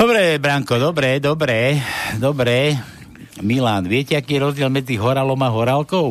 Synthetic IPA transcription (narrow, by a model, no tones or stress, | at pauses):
d̪̥ɔbɾɛbɾaŋkɔd̪ɔbɾɛd̪ɔbɾɛd̪ɔbɾɛ | milaːnʋɪɛcɛakiːjɛɾɔzɟɪɛlmɛd͡ziɦɔɾalɔmaɦɔɾalkɔʊ